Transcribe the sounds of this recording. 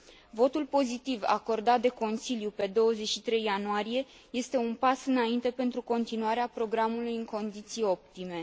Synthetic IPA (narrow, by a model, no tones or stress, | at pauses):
vo̞t̪ulpo̞zit̪iva̰ko̞rd̪at̪̚d̪e̞ko̞nsiljupe̞d̪o̞wəze̞t͡ʃʃit̪ɾe̞jːanuaɾije̞ | je̞st̪e̞unpasɨnaint̪e̞pe̞nt̪ɾuko̞nt̪inuaɾeapɾo̞ɡɾamulujɨŋko̞nd̪it̪sijo̞p̚t̪ime̞